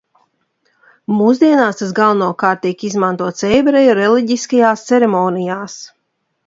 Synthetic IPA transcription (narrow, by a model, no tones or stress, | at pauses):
muːzd̪iɛnaːst̪asɡalˠnuɔkaːɾt̪̚t̪ːʲiɛkizmant̪uɔt̪sɛjbɾɛjɔɾɛlˠiɟiskajaːst̪sɛɾɛmɔːnijaːs